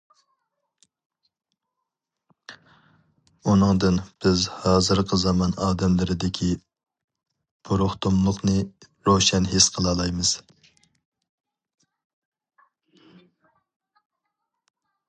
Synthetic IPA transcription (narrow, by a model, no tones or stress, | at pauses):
unɨŋd̪ɨnb̥ɪzhɑːzɨɾqʰəzɑmɑnɑːd̪ɛmlɪɾɪd̪ɪkʲʰi | b̥uɾʊχt̪ʰumlˠʊχnɨ | ɾoʃɛnɦesqʰəlˠɑlˠɑjmɨz̥